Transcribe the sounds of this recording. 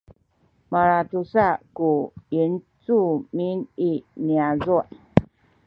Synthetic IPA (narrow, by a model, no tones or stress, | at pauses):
maɾatusakuin | t͡sumininiazuʔ